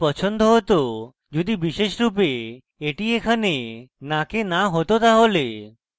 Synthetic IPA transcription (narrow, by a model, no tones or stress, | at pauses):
pɔt͡ʃʰənd̪ʱoɦɔt̪o | d͡ʒod̪ibiʃeʃɾupeː | ʈiekʰanenakenaɦot̪ot̪aɦole